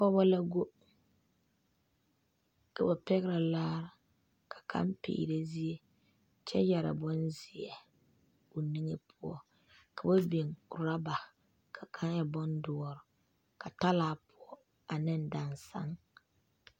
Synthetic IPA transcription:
kɔ˦βa˦la˦ɡo˦ | ka˨ba˨pɛ˦ɣɪ˦ɾa˨laː˦ɾɪ˨ | kʰḁ˨kʰa̰˦mpḭː˨ɾe˦zi˦e˦ | t͡ʃɛ˦jɛ˨ɾa̰˨bɔ˦nzɪ˨ɛ˨ | o˨ni˦ŋe˦pʰʊ˦ɔ̰˦ | kʰa˨ba˦be˨ŋʊ˨ɾa˦ba˨ | kʰa˨kʰa˦ŋja˨bɔ˦ndʊ˦ɔ˦ɾʊ˨ | ka˨ta˦laː˨˦˨pʰʊ˦ɔ˦ | a˨nɪ˦n˨da˨nsa̰˦ŋ

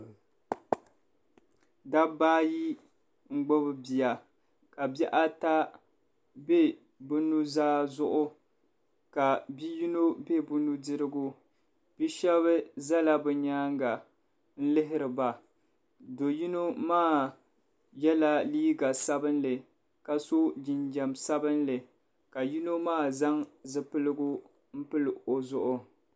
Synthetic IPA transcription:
da˦baː˦ji˦ | ŋ͡m̩˦ɡ͡bo˦bɨ˦bi˨ja˨ | ka˨bɛ˦ʔa˦ta˦ | be˦ | bʊ˦nu˦zaː˦zʊ˦ʔʊ˦ | ka˨bi˦ji˦no˦be˦bʊ˦nu˦dɨ˦ɾɨ˦ɡʊ˦ | bi˦ʃɛ˦βɨ˦za˦la˦bɨ˨ɲaː˦ŋɡa˨ | n̩˦lɪ˦ɦɪ˦ɾɨ˨ba˨ | do˨ji˦no˦maː˦˨ | jɛ˦la˦liː˦ɡa˨sa˦bɨ˦nlɨ˨ | ka˨so˦d͡ʒɪ˨nd͡ʒɛ˨msa˦bɨ˦nlɨ˨ | ka˨ji˦no˦maː˦˨za˦ŋzɨ˦pɨ˦lɨ˦ɡʊ˦ | m̩˦pɨ˦lo˨zʊ˦ʔʊ˨

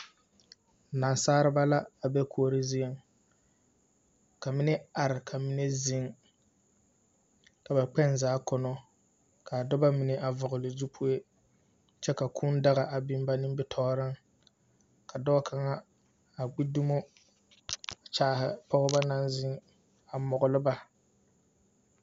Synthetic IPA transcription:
na˨nsaː˦ɾɨ˦ba˦la˦a˨bɛ˦kʰo˨˦˨ɾɪ˦zi˦e˨ŋ | ka˨mɪ˦nɛ˦a˨ɾɪ˨kʰa˨mi˦ne˦zɪ˦ŋ | ka˨ba˨k͡pɛ˦nzaː˨˦kɔ˨nɔ˦ | kʰa˨dɔ˦ba˦mɪ˨nɪ˨ʔa˨vʊ˨ɣʊ˨lɪ˨zu˦pʰu˦e˦ | t͡ʃɛ˦ka˨kʰu˦nda˦ɣa˨ʔa˨bi˦m˦ba˦nɨ˦bɪ˦tʰɔː˦ɾɪ˦ŋ | ka˨dɔ˦kʰa˨ŋa˦ | a˨ɡ͡bi˦du˦mo˦ | a˨t͡ʃaː˦hɪ˨pʰɔ˦ɣʊ˦ba˦na˦nzɪ˦ŋ | a˨mɔ˨ɣʊ˨lɨ˦ba˦

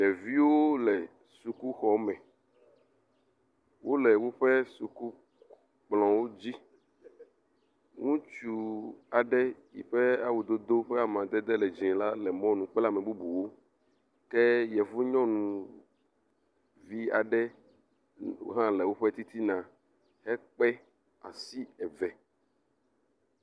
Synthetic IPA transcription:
jɛ˨vi˦wo˦lɛ˨ | su˨ku˦xɔ˦mɛ̃˨ | wo˦lɛ˨wo˦ɸɛ˦su˨ku˦ | k͡plɔ̃˨wo˦d͡ʑi˦ | ŋũ˦t͡ʃu˨a˨ɖɛ˦jḭ˨ɸɛ˦a˦wu˨d̪o˦d̪o˦ɸɛ˦a˦mã˨d̪ɛ˦d̪ɛ˦lɛ˨d͡ʒĩ˨la˦lɛ˨mɔ̃˦nũ˨k͡pɛ˦la˦mɛ̃˨bu˦bu˨wo˦ | kɛ˦jɛ˨vu˦ɲɔ̃˦nũ˨ | vi˦a˨ɖɛ˦ | wo̰˦ɦã˦lɛ˨wo˦ɸɛ˦t̪i˦t̪i˦nã˨ | hɛ˦k͡pɛ˦ | a̰˨si˦ɛ˨vɛ˨

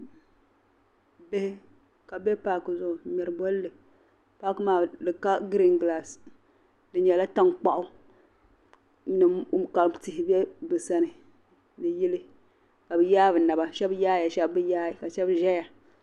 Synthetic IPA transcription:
be˦hɪ˦ | ka˨bɛ˦paː˨kɨ˨zʊ˨ʔʊ˨mɛ˨ɾɨ˨bɔ˦lːɨ˨ | paː˦kɨ˦maː˨lɨ˨ka˦ɡɾi˦ŋɡla˨s | dɨ˨ɲɛ˨la˦ta˦ŋk͡pa˦˨ʔʊ˦ | nɨ˨ka˨ti˨hɪ˨bɛ˦bɨ˨sa˦nɨ˨ | nɨ˨jɪ˦lɨ˦ | ka˨bɨ˨jaː˦bɨ˨na˨ba˨ʃɛ˦bjaː˦ja˨ʃɛ˦bbɨ˦jaː˦˨ka˨ʃɛ˦bʒɛ˦ja˨

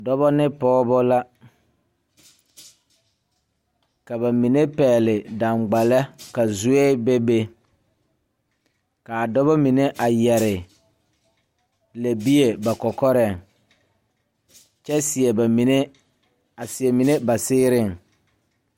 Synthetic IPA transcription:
dɔ˦βɔ˦nɪ˦pɔː˦bɔ˦la˦ | ka˨ba˨mi˨ne˦pɛː˨lɪ˨da˨ŋɡ͡ba˨lɛ˦ka˨zu˦eː˦be˦be˦ | ka˨a˨dɔ˦bɔ˦mi˨ne˦ʔa˨jɛ˨ɾɪ˨ | la˨bi˦e˨ba˨kɔ˨kɔ˦ɾɛ˦˨ŋ | t͡ʃɛ˦sɪ˨ɛ˨ba˨mi˨ne˦ | a˨sɪ˨ɛ˨mi˨ne˦ba˨sɪː˦ɾɪ˦˨ŋ

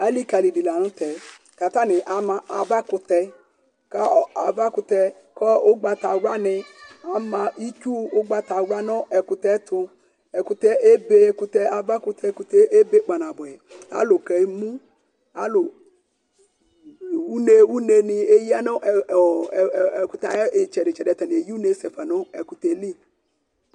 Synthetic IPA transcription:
a˨˦li˦ka˨li˨di˨la˨nʊ̃˦t̪ɛ˨ | ka˨t̪a˦nɪ˨ʔa˨ma˨ʔa˨va˦kʊ˨tɛ˨ | ka˦a̰˨va˦kʊ˧t̪ɛ˧ | kɔ˦o˦ɡ͡ba˨ta˨wa˦nɪ˧a˨˦mã˨i˦t͡ʃu˦ʊ˦ɡ͡ba˨t̪a˨wʷa˦nɔ˦ʔɛ˨kʊ˨t̪ɛ˨˦t̪ʰʊ˧ | ɛ˨kʊ˨t̪ɛ˦ʔe˦be˦ku˨t̪ɛ˦a˨va˦kʊ˨t̪ʰɛ˦ku˨t̪ɛ˦ʔe˦be˦k͡pa˨nã˨bʊ˨ɛ˨a̰˦lʊ˨kɛ˨˦mũ˦ | a˦lʊ˨ | wu˦ne˦wu˦ne˨nɪ˨e˦ji˦a˦nɔ˦ʔ | kʊ˨t̪a̰˨˦˨t͡ʃɛ˨ɾɪ˨t͡ʃɛ˨dɛ˨t̪ɛ˨nɪ˨e˨ji˦u˦ne˨˦se˨fa˨nʊ˦ɛ˨ku˨t̪ɛ˨li˦˨

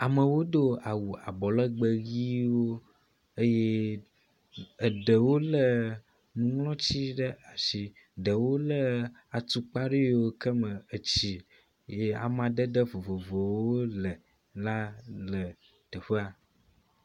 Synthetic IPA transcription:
a˨mə̃˨wo˦ɖ̪o˦a˨wu˨a̰˨bɔ˨lə˦ɡ͡bə˦ɣi˦wo˦ | ə˦je˦ | ə˨ɖə˨wo˦lə˦ | nũ˨ŋlɔ̃˦t͡ɕi˦ɖə˦a˨ʃi˨ | ɖə˨wo˦lə˦a˨t̪u˨k͡pa˦ɖi˦wo˦kə˦mə̃˨ə˨t͡ɕi˨ | je˦a̰˨mã˨ɖə˦ɖə˦vo˨vo˨vo˨wo˦lə˨ | la˦lə˨ | t̪ə˨ɸə˦a˨

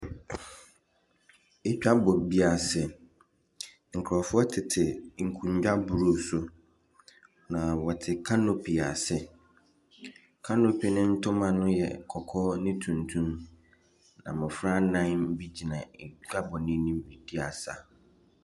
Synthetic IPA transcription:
e˦t͡ʃᶣa˦bɔ˨bi˦a˨sɛ˨ | ŋ̩˨kʰɾɔ˨fʊ˦ɔ˦tʰɪ˨tʰɪ˨ŋ̩˨kʰũ˨ɲ˦d͡ʑᶣa˦bu˨ɾo˦˨sʊ˦ | nã˨wɔ˨tʰɪ˨kʰa˦no˦pʰi˨a˨sɪ˦ | kʰa˦no˦pʰi˨nɪ̃˦n̩˦tʰʊ˦mã˨nʊ̃˦jɛ̰˨kʰɔ˨kʰɔ˦nɪ̃˦tʰũ˨ntʰũ˦m | nã̰˨mɪ̃˨fɾa˦nã˦m̩˦bi˦d͡ʑi˨nã˨e˨t͡ɕᶣa˦bɔ˨nɪ̃˦nĩ˦m˦bi˨di˦a˨sa̰˨

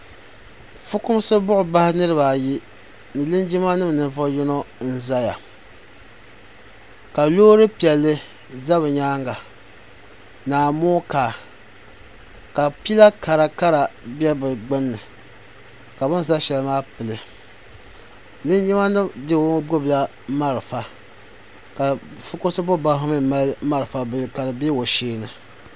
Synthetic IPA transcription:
fʊ˦kʊ˦m˦sɨ˦bʊ˦ʔʊ˨ba˦hɪ˦nɨ˦ɾɨ˦ba˨ji˦ | nɨ˨lɨ˦nd͡ʒi˦ma˦nɨ˦m˨nɨ˨ɱ˨vɔ˦jɛ˦no˦n̩˦za˦ja̰˨ | ka˨loː˦ɾɨ˦pi˨ɛ˨lːɨ˦ | za˦βɨ˨ɲaː˦ŋɡa˨ | naː˨moː˦kaː˨ | ka˨pi˦la˦ka˨ɾa˨ka˦ɾa˨bɛ˦bɨ˨ɡ͡bɨ˦nːɨ˨ | ka˨bɨ˦n˦za˦ʃɛ˨lɨ˦maː˦pɨ˨lɨ˨ | dɨ˦n˦ji˦ma˦nɨ˦dɨ˦wɡʊ˦bla˦ | ma˦ɾɨ˨fa˨ | ka˨fʊ˦kʊ˦sɨ˦bʊ˦ba˦ɦʊ˦mɨ˦ma˦lma˦ɾɨ˨fa˨bɨ˦˨lɨ˨ka˨dɨ˨bɛ˦wo˨ʃeː˦nɨ˨

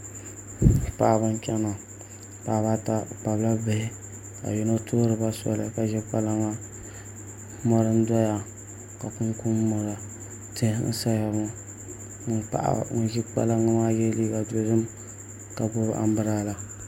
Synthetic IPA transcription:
pa˦˨ʔba˦n˦t͡ʃa˦na˨ | pa˨ba˦ta˦k͡pa˨bla˦bɨ˦hɪ˦ | a̰˨ji˦no˦tʰoː˦ɾɨ˨ba˦sɔ̰˦la̰˨˦ka˨ʒɛ˦k͡pa˦la˦ŋa˦ | mɔ˦ɾɨ˦n˦dɔ˦ja˦ | ka˨ku˦ŋku˦m˦mɔ˨ɾa˨ | tɨ˦hn̩̰˦sa˦a˨ŋɔ˦ | ŋ˦k͡pa̰˨ʔa̰˦˨ʒɛ˦k͡pa̰˦la˦ŋa˦maː˦jɛ˦li˦ɡa˨do˨dɨ˦m | ka˨bo˦ɾʔa̰˨m˦bɨ˦ɾa˦la˨

